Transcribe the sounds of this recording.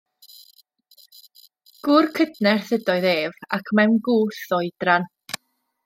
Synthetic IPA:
ɡ̥ʊrkʰədnɛrθədɔɨðeːvakʰmɛmɡuːθɔjd̥ran

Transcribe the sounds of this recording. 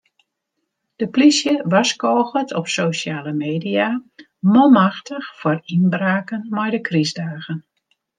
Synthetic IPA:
d̥əplisjəʋaskoːɣətʰɔpsoːʃjaːləmeːdia | momaxtəxfɔrinbraːkənmɛjdəkrizdaːɣən

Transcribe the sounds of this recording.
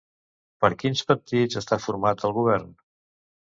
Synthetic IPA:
pəɾkinspəɾt̪izəst̪afuɾmat̪əlˠɣuβ̞ɛɾn

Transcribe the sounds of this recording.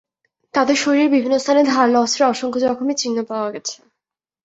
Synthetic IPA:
t̪ad̪eɾʃoɾiɾbibʱinːost̪ʰaned̪ʱaɾlɔseɾɔʃoŋkʰod͡ʑɔkʰomet͡ɕinːopaoaɡɛt͡ɕʰe̥

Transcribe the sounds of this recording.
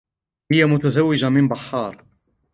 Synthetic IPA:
hɪjamʊt̪azawːɪd͡ʒamɪnbaħːɑːɾˤ

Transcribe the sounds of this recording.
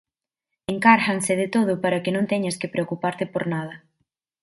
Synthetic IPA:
eŋkaɾxaŋsɪðɪt̪oð̞ʊpaɾɐkɪnõnt̪ɛɲaskɪpɾeokupaɾt̪ɪpoɾnað̞ɐ

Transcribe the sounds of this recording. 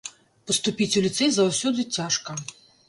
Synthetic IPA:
pɐst̪upʲit͡sʲulʲit̪sɛjzawsʲɔd̪ɨt͡sʲaʂkɐ

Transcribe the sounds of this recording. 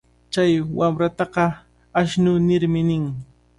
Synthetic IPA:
t͡ʃajwamɾat̪ɑqɑ | aʃnʊnɪɾmɪnɪŋ

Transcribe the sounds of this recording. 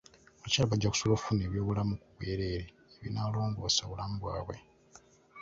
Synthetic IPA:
oβacaːlaβaɟːaku̥solofuneːβjo̞ːβulamukuβwe̞ːɾe̞ːɾe | eβinaːlo̞ːŋɡosaβulambwaːβwe̞

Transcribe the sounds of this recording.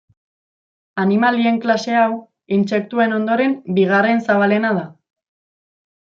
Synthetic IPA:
animalie̞ŋklase̞aw | inse̞k̚t̪ue̞no̞nd̪o̞ɾe̞mbiɣare̞nsaβale̞naða

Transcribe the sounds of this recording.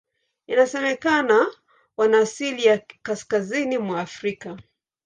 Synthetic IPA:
inasɛmɛkana | wanaːsilijakaskazinimwaːfɾika

